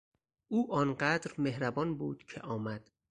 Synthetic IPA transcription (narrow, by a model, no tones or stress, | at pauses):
ʔuːʔɒːnɢæd̪ɾmehɾæbɒːnbuːd̪̥cʰḛʔɒːmæd̪̥